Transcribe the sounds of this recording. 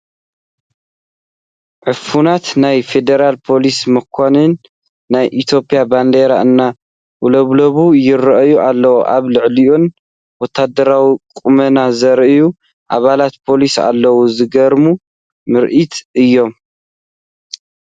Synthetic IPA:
ʕɨfunat̪najfe̞d̪eɾalpʰo̞lismɨkʰːonɨnː | ajʔit̪ʰjo̞pʼijaband̪eɾaɨnːa | ʔulɐβlɐβujɪrɐʔjuʔalːɐwoʔaβlɨʕliʔon | wɔt̪ʰːad̪ɐɾawikʼumɐnazɐɾʔɨju | ʔaβalat̪pʰo̞lisa̰lːɐwuzɨɡɐɾmu | mɨɾʔit̪ɨjːo̞m

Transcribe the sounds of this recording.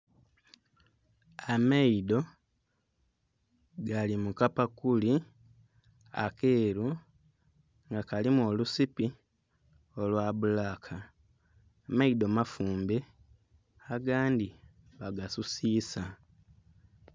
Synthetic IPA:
amaido̞ | ɡalimukapakuli | a̰ke̞ːɾu | ŋɡakalimwo̞lusipi | o̞lwaːβulakʰaː | maidomafuːmbe̞ | aɡaːndi | βaɡasusiːsa

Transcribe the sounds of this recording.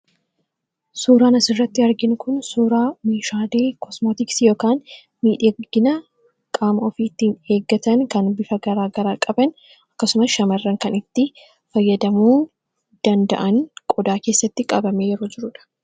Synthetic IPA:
suːɾaːnɐsɪrːɐt̪ːɪɐɾɡɪnʊkʊnsuːɾaːmeːʃaːd̪eːkɔsmoːt̪ɪksjo̞ːkaːn | miːᶑɐɡɪnɐ | kʼaːmɐɔfiːt̪ːiːne̞ːɡːɐt̪ɐnkɐnbɪfɐɡɐɾaːɡɐɾaːkʼɐbɐn | ɐkːɐsʊmɐsʃɐmɐrːɐŋkɐnɪt̪ːɪ | fɐjːɐd̪ɐmuː | d̪̥ɐnd̪ɐ̰ʔɐŋkʼɔd̪aːke̞ːsːɐt̪ːɪkʼɐbɐmeːjɛɾod͡ʒɪɾʊᶑɐ̥

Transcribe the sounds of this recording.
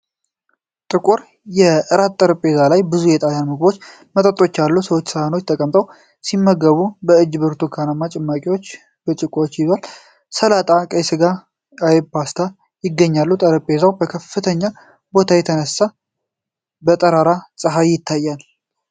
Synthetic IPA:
t̪ʼɨkʼuɾ | jɛʔɨɾat̪t̪ʼəɾəpʼezalajbɨzujɛt̪ʼaljanmɨɡbo̞t͡ʃː | mət̪ʼət̪ʼːo̞t͡ʃːalːusəwo̞t͡ʃːsɨhano̞t͡ʃːt̪ʰəkʼəmt̪ʼəw | simːəɡəβubəɨd͡ʒːbɨɾt̪ʰukʰanamːat͡ʃʼɛmːakʼiwo̞t͡ʃː | bɨt͡ʃʼɨkʼot͡ʃːjɪzal | səlat̪ʼakʼəjsɨɡa | ajpast̪ʰa | jɪɡːəɲːalːut̪ʼəɾəpʼezawbəkʰəfːɨt̪ʰəɲːa | bo̞t̪ʰajɛt̪ʰənəsa | bət̪ʼəɾaɾasʼɨɦajɪt̪ʰːajːal

